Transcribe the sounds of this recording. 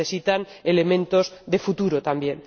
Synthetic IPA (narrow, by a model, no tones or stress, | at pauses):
esit̪anele̞mẽ̞nt̪ozðefut̪uɾot̪ambje̞n